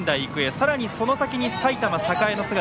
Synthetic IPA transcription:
nd̪aiikɯ̟esaɾaɲ̟iso̞no̞sakʲiɲ̟isait̪amasakaeno̞sɨɡa

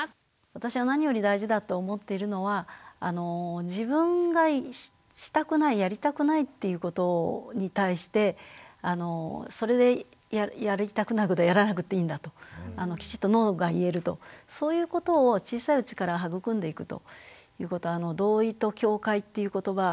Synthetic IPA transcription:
βat̪aɕiβanaɲ̟ijo̞ɾʲid̪aiʑid̪at̪o̞ːmo̞t̪ːe̞iɾɯ̟no̞βaːno̞d͡ʑibɯ̟̃ŋɡa | ɕi̥t̪akɯ̟naijaɾʲit̪akɯ̟nait̪ːe̞jɯ̟ko̞t̪o̞ɲ̟it̪aiɕi̥t̪e̞ano̞so̞ɾe̞d̪e̞ | jajaɾit̪akɯ̟nakɯ̟d̪ejaɾanak̬ɯ̟t̪ːe̞ĩnd̪at̪o̞ano̞kʲi̥t͡ɕi̥t̪ːo̞no̞ːɡaie̞ɾɯ̟t̪o̞̰so̞ːjɯ̟ːko̞t̪o̞ːt͡ɕiːsaiɯ̟t͡ɕi̥kaɾaɦaɡɯ̟kɯ̟̃nd̪e̞ikɯ̟t̪o̞̰jɯ̟ːko̞t̪o̞ano̞d̪o̞ːit̪o̞kʲo̞ːkait̪ːe̞jɯ̟ko̞t̪o̞βa

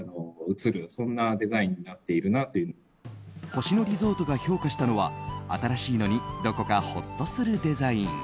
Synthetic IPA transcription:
noɯ̟t͡sɨɾɯ̟sõ̞nːad̪e̞zaĩɲ̟ːinat̪ːe̞iɾɯ̟nat̪ojɯ̟ | ko̞ɕino̞ɾʲizo̞ːt̪o̞ɡaço̞ːkaɕi̥t̪ano̞β̞a̰a̰t̪aɾaɕiːno̞ɲ̟id̪o̞ko̞kaho̞̰t̪ːo̞sɨɾɯ̟d̪e̞zaĩɴ

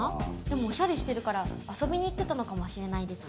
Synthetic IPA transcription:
d̪e̞mo̞ːɕaɾʲiɕi̥t̪e̞ɾɯ̟kaɾaaso̞bʲiɲ̟iːt̪ːe̞t̪ano̞kamoɕiɾe̞naid̪e̞sɨ̥

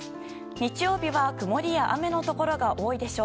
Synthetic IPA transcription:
ɲ̟it͡ɕijo̞ːbʲiβakɯ̟mo̞ɾʲijaʔame̞no̞t̪o̞ko̞ɾo̞ɡaʔo̞ːid̪e̞ɕo̞ː

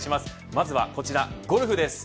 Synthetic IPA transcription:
ɕimasɨ̥ | mazɨβa̰ko̞t͡ɕiɾaɡo̞ɾɯ̟ɸɯ̟d̪e̞sɨ̥

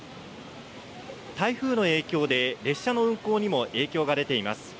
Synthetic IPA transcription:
t̪aiɸɯ̟ːno̞e̞ːkʲo̞ːd̪e̞ɾe̞ɕːano̞ɯ̟̃ŋko̞ːɲ̟imo̞ʔe̞ːkʲo̞ːɡad̪e̞t̪e̞imasɨ̥

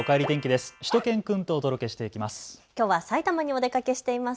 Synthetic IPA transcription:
okaeɾʲit̪ẽ̞ŋkʲid̪e̞sɨ̥ɕi̥t̪o̞kẽ̞ŋkɯ̃nt̪o̞ːd̪o̞ɾo̞ke̞ɕi̥t̪e̞ikʲimasɨ̥kʲo̞ːβasait̪amaɲ̟io̞d̪e̞kake̞ɕi̥t̪e̞imas

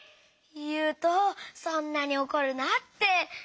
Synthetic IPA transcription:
jɯːt̪osõnːaɲ̟io̞koɾɯ̟nat̪ːe̞

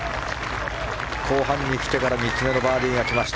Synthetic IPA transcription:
kʰo̞ːɦãɲ̟ːikʲi̥t̪e̞kaɾaɲ̟it͡sɨme̞no̞baːɾʲĩɡakʲimaɕi̥t̪

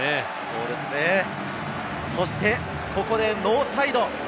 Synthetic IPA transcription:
e | so̞ːd̪e̞sɨne̞ | so̞ɕi̥t̪e̞ | ko̞ko̞d̪e̞no̞ːsaid̪o̞

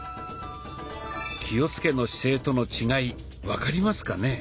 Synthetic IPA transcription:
kʲio̞t͡sɨ̥ke̞no̞ɕi̥se̞ːt̪o̞no̞t͡ɕiɡai | βakaɾʲimasɨ̥kane̞

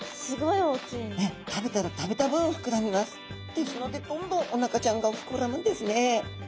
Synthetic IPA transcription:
sɨɡo̞ioːkʲiːet̪ʰabe̞t̪aɾat̪abe̞t̪abɯ̟̃ɰ̃õɸɯ̟̥kɯ̟ɾamʲimasɨ̥ | d̪̥esɨno̞d̪e̞d̪õ̞nd̪õ̞ŋ̃ʔonakat͡ɕãŋɡaoɸɯ̥kɯoɾamɯ̃nd̪e̞sɨne̞

